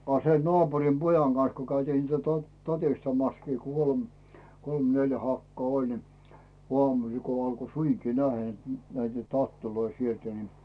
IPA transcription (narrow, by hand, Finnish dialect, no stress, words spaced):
ɑ se nŏɑːpurim pojɑŋ ɡ̊ɑn̞s ko kæytiːn niːt to tɑtistɑmɑskiː kol kolm neljæ hɑkːŏɑˑ olʲ ni ŭɑmusil ko ɑlko suiŋki næhæ et næitæ tɑtːiloi sieltæ ni